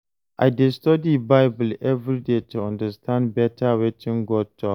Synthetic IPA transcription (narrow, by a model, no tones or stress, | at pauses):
ʔajdɛstɔdibaɪbʊlʔɛvɾideːtuãndɐstʰãndbɛtʰawɛtɪ̃ŋɡɔdtʰːɔ